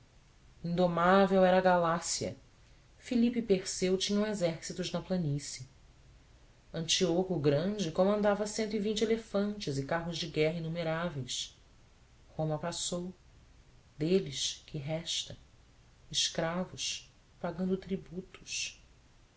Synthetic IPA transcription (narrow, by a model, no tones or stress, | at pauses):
ĩnd̪omavewɛɾɐːɡalasiɐ̰ | filipɪpeɾsewt͡ʃĩɲɐ̃w̃ezɛɾsit̪ʊznɐplɐnisjɐ | ɐ̃nt͡ʃiokʊɡɾɐ̃d͡ʒɪkõmɐ̃nd̪avɐsẽnt̪ʊivĩnt͡ʃɪelefɐ̃nt͡ʃɪzɪkaɦʊzd͡ʒɪɡɛɦɐĩnumeɾavejs | hõmɐpasow | d̪elɪʃkʰɪɦɛʃt̪ɐ | ɪʃkɾavʊs | paɡɐ̃nd̪ʊt̪ɾibut̪ʊ̥ʃ